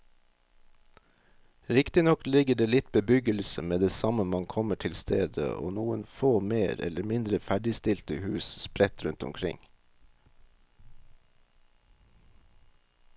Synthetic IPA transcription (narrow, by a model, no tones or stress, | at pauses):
ɾɪkt̪ɪnɔklɪɡəɖeːlɪt̪bəbʏɡəlsəmeːd̪eːsɑməmɑnkʰɔməʈʰɪlst̪ʰeːd̪ə̰ʔo̰ːnuːənfoːmeːɾɛ̰ləɾmɪnd̪ɾəfæɖɪst̪ɪlt̪əhʉːsspɾɛt̪ɾʉnt̪ʊ̰mkʰɾɪ̰ŋ